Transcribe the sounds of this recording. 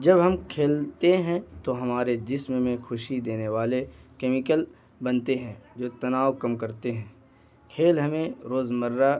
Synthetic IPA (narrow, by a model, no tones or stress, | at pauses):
d͡ʒɐbɦɐmkʰeːlt̪eɦɛ̃t̪oɦɐmaːɾed̪ɪsmmẽxʊʃid̪eːneʋaːlekeːmɪkəl | bɐnt̪eɦɛ̃ːd͡ʒoːt̪ɐnaːwkɐmkɐɾt̪eɦɛ̃ː | kʰeːlɦɐmẽɾoːzmɐɾːa